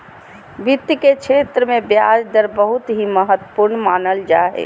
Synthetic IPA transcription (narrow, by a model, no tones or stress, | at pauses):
bit̪ːiket͡ʃʰet̪ɾəmebjad͡ʒd̪əɾbəɦut̪ɦiməɦət̪wə̥puɾnmanəld͡ʒa̰ɦɛ̰